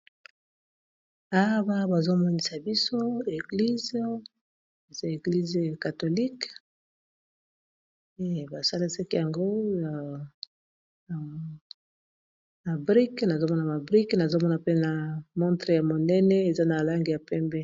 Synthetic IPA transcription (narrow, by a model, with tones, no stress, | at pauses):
a˦ba˦ba˨zo˦mɔ˦ni˦sa˨bi˦so˦e˨ɡli˦z | e˨za˦e˨ɡli˦ze˨ka˨to˨li˦k | e˦˨ba˨sa˦li˦se˦ke˦ja˨ŋɡo˦ja˨ | ma˨bʁi˦kna˨zo˦mɔ˦na˨ma˨bʁi˦kna˨zo˦mɔ˦na˨pe˦na˨mɔ̃˦ntʁe˨ja˨mo˨nɛ˦nɛ˦e˨za˦na˨la˦ŋɡi˨ja˨pɛ˦mbɛ˦